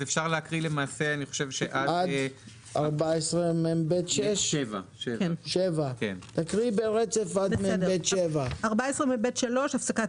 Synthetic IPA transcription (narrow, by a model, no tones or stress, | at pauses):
zefʃaʁleakʁilemaːseaniχo̥ʃevʃeʔadad̪ | ʔaʁbaesʁemembet̪ʃeʃvakʃevakent̪akʁibeʁet͡se̞fad̪membet̪ʃevaaʁbaesʁemembet̪ʃalo̞ʃafsaka